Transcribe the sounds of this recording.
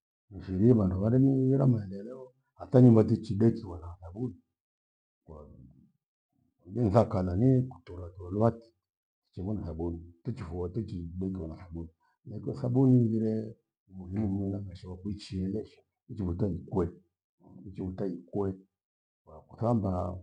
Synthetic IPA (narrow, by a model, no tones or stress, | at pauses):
niʃiɾiβanduβaɾɛmuiɾamaɛlɛlɛɔ | hataɲumbatit͡ʃiɗɛkiwanaθabuni | ka | ɡɛnθakalaniku̥tɔɾatualuwati̥ | ti̥t͡ʃɛmɔnaθabunitɛt͡ʃifuatɛt͡ʃiɗɛkiwanasaɓuni | nakɔsaɓuniɡiɾɛ | muhimumuunamaʃiwakuit͡ʃiɛlɛʃḁ | it͡ʃiβutaikwɛ | it͡ʃivutaikwɛ | waaku̥θamba